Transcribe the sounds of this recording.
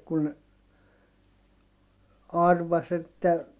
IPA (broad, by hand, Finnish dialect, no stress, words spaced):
kun ɑrʋɑs etːæ